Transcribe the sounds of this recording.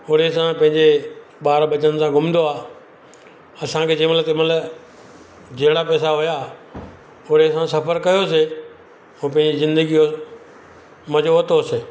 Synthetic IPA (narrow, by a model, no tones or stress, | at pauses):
ʊɾesãpɐ̃ɦɪ̃ɲd͡ʑe | ɓaːɾɓɐt͡ɕən̆sãɡʱʊmd̪oaː | ɐsãkʰeːd͡ʑẽːmɐlət̪emɐt̪lə | d͡ʑɐɦɪɽapɛːsaɦʊja | ʊɾesãsɐfəɾkɐjos̬e | ũːpɐ̃ɦɪ̃ɲd͡ʑizɪ̃nd̪əɡijo | mɐd͡ʑoət̪oseː